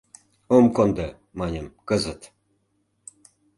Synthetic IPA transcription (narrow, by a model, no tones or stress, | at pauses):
omkond̪ɤ | mɑnʲə̆mkɤzət̪